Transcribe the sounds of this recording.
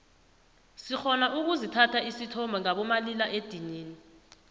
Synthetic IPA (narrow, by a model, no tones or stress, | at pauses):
sixɔnaʔuk̬uzitʰatʰaisitʰɔmbʱaŋaɓɔmalilaʔed̥ʱiɲiːni